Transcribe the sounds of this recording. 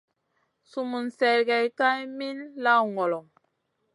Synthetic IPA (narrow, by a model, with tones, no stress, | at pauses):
su˨mu˨n˨sɛ˨lɡɛ˨jka˦jmi˦lla˦wŋɔ˨lɔ˨ŋ